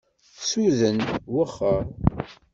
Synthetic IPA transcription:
suðənwəχːəɾˤ

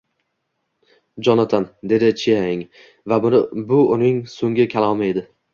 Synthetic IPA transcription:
d͡ʒɒnat̪ʰand̪e̞d̪ɪt͡ʃʰijaɪŋ | vabʊnbʊʊnɪŋsoŋɡʲɪkʲʰalˠɒmɪe̞d̪ɪ

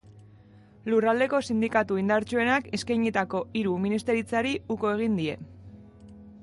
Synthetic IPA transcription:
lurald̪e̞ko̞sind̪ikat̪uind̪aɾt͡ʃue̞nake̞skajɲit̪ako̞iɾuminist̪e̞ɾit͡saɾiuko̞e̞ɣ̞ind̪ie̞̰

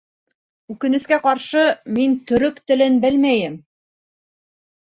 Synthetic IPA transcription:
ʉkɘ̆nɘ̆skæqɑɾʃɤmint̪ɵ̆ɾɵkt̪ɘ̆lɘnbɘlmæjɘm

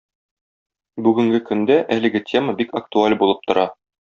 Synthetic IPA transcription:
bʉɡɘ̆ŋɡɘkɵ̆nd̪æʔælɘ̆ɡɘtʲʰe̞məbikɐk̚t̪ualʲbulˠɤp̚t̪ŏɾɑ

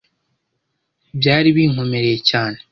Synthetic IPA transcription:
bjaːɾiβiːŋ̥omeɾejecaːne

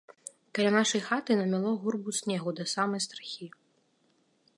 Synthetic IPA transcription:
kɐlʲanaʂɐjxat̪ɨnɐmʲalˠɔɣurbusʲnʲɛɣud̪ɐsamɐjst̪ɾaxʲi

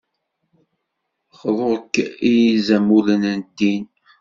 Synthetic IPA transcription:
χðˤoʁkːijizæmulənənd̪ːin

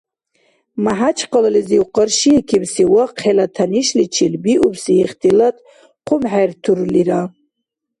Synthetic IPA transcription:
maħat͡ʃʰqəlliziwqəɾʃiɛkʰibsiwaqhɛlat̪ʰaniʃlit͡ʃʰilbiʔubsiːχt̪ʰilat̪ʰʼ | qʰumħaɾt̪ʰuɾliɾa

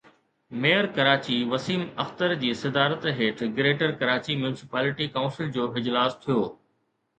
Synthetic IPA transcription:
mejəɾkɐɾaːt͡ɕiʋɐsiːmɐxt̪əɾd͡ʑiːsɐd̪aːɾət̪ɦeːʈʰɡɾeːʈəɾkɐɾaːt͡ɕimjuːnɪsɪ̥paːlɪʈikaʊ̃nsɪld͡ʑoːɪd͡ʑlaːst̪ʰijoː

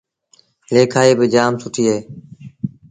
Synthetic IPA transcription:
leːkʰaːiːbɪd͡ʒaːmsʊʈʰiːɦeː

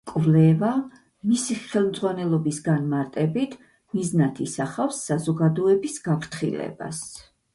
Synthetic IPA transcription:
kʼvlɛva | misiχɛlˠmd̪zʼʁwanɛlˠɔbisɡanmaɾt̪ʼɛbit̪ʰ | miznat̪ʰisaχafsːazɔɡad̪ɔɛbisɡapʰɾt̪χḭlɛ̰ba̰s

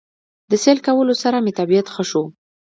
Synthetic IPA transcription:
d̪əselkawəlosaɾamet̪abijat̪xəʃo

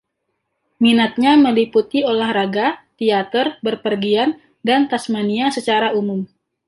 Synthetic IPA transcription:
minat̪̚ɲaməliput̪iolahɾaɡat̪iat̪ərbərpərɡian | dant̪asmaniasət͡ʃaɾaumʊm

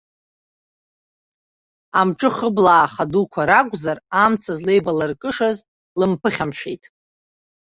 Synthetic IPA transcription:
amʈ͡ʂʼɨχəblaːχadukʷʰaɾakʷʼzaramt͡sʰazlejvalɨrkʼɨʂaz | lɨmpʰɨχʲamʃᶣejtʼ

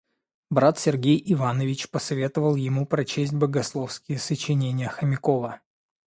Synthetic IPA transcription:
bɾat̪sʲɪrɡʲejɪvanəvʲɪt͡ɕpəsɐvʲe̞t̪əvəlˠjɪmupɾɐt͡ɕesʲt̚ʲbəɡɐslˠofskʲɪjəsət͡ɕɪnʲenʲɪjəxəmʲɪko̞və

